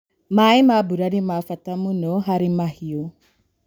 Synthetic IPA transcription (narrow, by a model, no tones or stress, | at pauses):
maimabuɾanimafatamunɔɦaɾimahio